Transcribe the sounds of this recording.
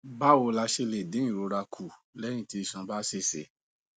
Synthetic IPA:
ba˦˨wo˧la˧ʃe˧le˨dĩ˨˦ĩ˦˨ɾo˨˧ɾa˧kʰu˨ | lɛ˦ñĩ˦˨ti˧i˨ʃã˧ba˦se˦˨sḛ˨˦

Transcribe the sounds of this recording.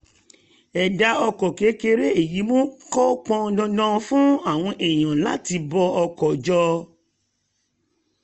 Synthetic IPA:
ɛ˨da˧˦ɔ˧kɔ˨ke˨˦ke˧ɾe˦e˦˨ji˨˦mɔ̃˦kɔ˦k͡pɔ̃˧dɔ̃˧dã˦˧fũ˦a˦˨w̃ɔ̃˧ʔɛ˨j̃ã˨la̰˦ti˧˦bɔ˧ɔ˧kɔ˨d͡ʒɔ˧

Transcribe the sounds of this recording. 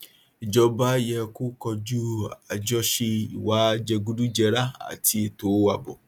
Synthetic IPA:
i˨d͡ʒɔ˧ba˦jɛ˧ku˦kɔ˧d͡ʒu˦a˨d͡ʒɔ˦ʃe˧ḭ˨wa˨˦d͡ʒɛ˧ɡu˦du˦d͡ʒɛ˧ɾa˦a̰˨ti˧e˨to˨˦wa˧˨bɔ˨

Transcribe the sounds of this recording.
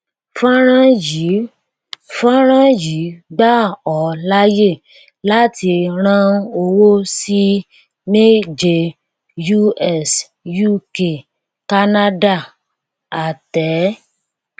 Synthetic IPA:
fã˦ɾ̃ã˦ji˨˦ | fã˦ɾ̃ã˦ji˨˦ɡ͡ba˦ɔ˨la˦je˦˨ | la˦ti˧ɾ̃ã˦˧o˧wo˦si˦ | me˦d͡ʒe˧ | ju˦ɛ˦˨s | ju˦ke˦˨ | ka˦na˦da˦˨ | a˨tɛ˨˦

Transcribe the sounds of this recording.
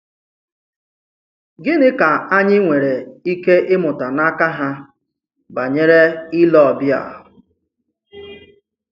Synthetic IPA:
ɡɪ˦nɪ˦ka˨a˦ɲɪ˦ŋʷe˨ɾe˨i˦ke˦ʔɪ˦mʊ˨ta˨na˦ka˦ɦa˦ | ba˨ɲe˦ɾe˦ɪ˦lɔ˨ɔ˨bja̰˨ɦʊ˨

